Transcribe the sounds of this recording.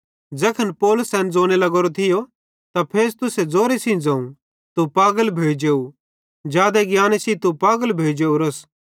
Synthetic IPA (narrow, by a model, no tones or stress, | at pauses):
d͡ʒɛːkʰɐnpɔːlʊsːɛ̃ːnd͡zoːnelɐɡoːɾot̪ʰɪjo | t̪apʰeːst̪ʊsed͡zoːɾesĩd͡zãːũ | t̪upaːɡəlbʱeːd͡ʒeːu | d͡ʒjaːd̪eɡjaːnesĩt̪upaːɡəlbʱeːd͡ʒeːuɾɐs